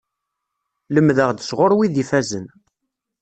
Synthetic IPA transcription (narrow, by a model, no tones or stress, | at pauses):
ləmðəʁd̪əsʁʊɾwiðifæzən